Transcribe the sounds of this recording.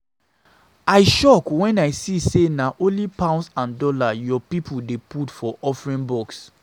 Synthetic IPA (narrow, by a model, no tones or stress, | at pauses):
aɪʃɔkwɛ̃naɪsisenaʔõlipãʊ̃nsãndɔlajɔpipʰudeputfɔʔɔfɹĩnbɔks